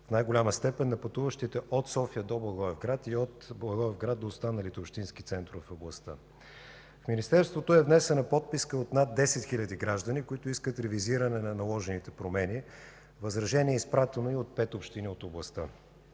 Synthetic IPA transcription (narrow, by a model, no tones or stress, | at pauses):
fnajɡolʲaməst̪ɛpɛnːɐpɐt̪uvəʃt̪it̪ɛʔot̪sɔfijəd̪ɔblˠɐɡˠɔɛvɡɾat̪iot̪blˠɐɡɔɛvɡɾad̪̚oːst̪anəlit̪ɛopʃt̪inskit̪sɛnt̪ɾʊvfoblˠɐst̪ə̰ | fminist̪ɛɾst̪vot̪oɛvnɛsɛnɐpɔt̪̚piskəot̪nad̪ːɛsɛt̪xilʲəd̪iɡɾaʒd̪ənikoit̪ʊiskət̪ɾɛviziɾənɛnɐnɐlˠɔʒɛnit̪ɛpɾomɛni | vɐzɾɐʒɛniɛispɾat̪ɛnoiot̪̚pɛt̪opʃt̪iniot̪oblˠɐst̪ə